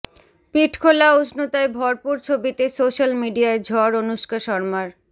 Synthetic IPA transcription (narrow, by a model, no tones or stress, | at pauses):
piʈʰkʰolausnot̪aebʱɔɾpuɾt͡ɕʰobit̪esoʃalmiɖiaed͡ʑʱɔaɾonuʃkaʃɔɾmaɾ